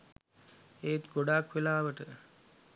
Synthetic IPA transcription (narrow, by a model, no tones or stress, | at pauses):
et̪ɡoɖaːkʋelaːʋəʈə